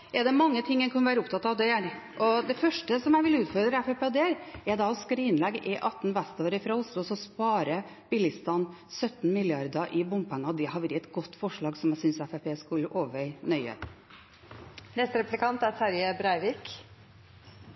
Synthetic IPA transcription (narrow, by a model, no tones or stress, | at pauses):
ɛd̪ɛmɑŋːət̪ʰɪŋːənkʰɑnʋæːɾəʊp̚t̪ʰɑt̪ːɑʋd̪ɛæɾ | ʔɔd̪ɛfœʂʈəsɔmjæʋɪlʉːt̪fɔɾd̪ɾəɛfɛpeːɔd̪eɾɛɾd̪ɑɔskɾiːnlɛɡʔɪʔɑt̪ːnʋæst̪oːɾɪfɾɑʊst̪ʊsɔspɑːɾəb̥ɪlɪst̪ɑnːsœt̪nmɪlɪɑɾd̪ɑʔɪbʊmbpæŋːɑd̪ɛhɑʋɾɪɛt̪ɡɔt̪ːfɔʂɭɑːɡsɔmjæsʏnsɛfɛpeːskʉlːʔoːʋʋœɪnœʏə̰ | nɛst̪ɾɛplɪkɑnt̪æɾsæɾjəbɾæɪʋɪk